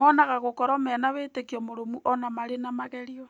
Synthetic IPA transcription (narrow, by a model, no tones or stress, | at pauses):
ɔnaɣaɣokɔɾɔmɛːnaβetekiɔmoɾomuʔɔnamaɾenamaɣɛɾiɔ